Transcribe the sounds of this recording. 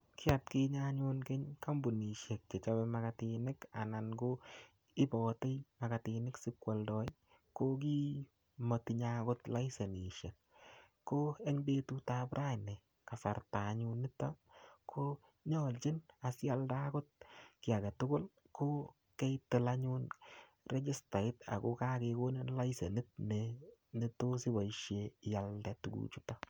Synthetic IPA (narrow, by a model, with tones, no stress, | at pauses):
kʰɪ˦a˨tkɪ˦ɲaɲonke˦ɲka˦mbu˨ni˨ʃe˨kːe˨t͡ʃabɛmakatinɪ˦ka̰˨na˨nɡo | ɪ˦bɔte˦jma˨ka˨ti˨nɪ˦ksɪ˦kwa˨ldɔ˦j | kok̬i˦ | mo˨tiɲakʊ˦tla˦jse˨ni˨ʃe˨k̚ | kːo˦ɛ˦ɲbe˦tu˦tabɾʔa˦nɛ˨ | ka˨fa̰˨rta˨ɲu˦nːɪ˦tokʰo˦ | ɲɔlt͡ʃɪ˦na˨sja˦lda˦kʊ˦t̚kɪ˨a˨ɡa˨tʊ˦ɡʊ˦l | kʰo˦ | kɛ˦jtɪ˦la˦ɲu˦n | re˦d͡ʒɪ˦sta˨ɪ˦ta̰˨ko˦ka˦ke˧ko˦ne˦nla˦jse˨nɪ˦t̚ne˨nɪ˦to˦si˦ba˨iʃjeja˨ldɛ˦tuɡṵ˨t͡ʃu˦ta˦